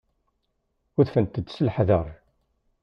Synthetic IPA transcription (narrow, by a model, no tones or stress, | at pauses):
ʊðfənt̪əd̪səlħðəɾˤ